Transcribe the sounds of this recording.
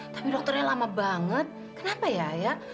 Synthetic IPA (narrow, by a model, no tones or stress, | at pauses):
t̪ḁpidɔk̚t̪ərɲalamabaŋət̪̚ | kənapajaja